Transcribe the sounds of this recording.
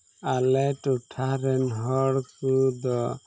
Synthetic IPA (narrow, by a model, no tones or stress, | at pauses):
alɛʈuʈʰaɾɛnɦɔɽsud̪ɔ